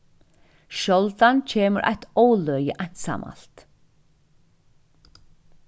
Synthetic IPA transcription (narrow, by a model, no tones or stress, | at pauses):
ʃɔlt̪ancʰeːməɾʔa̰ht̪ɔwlœjəʔajɲ̥t̪sa̰ːmʔa̰lt̪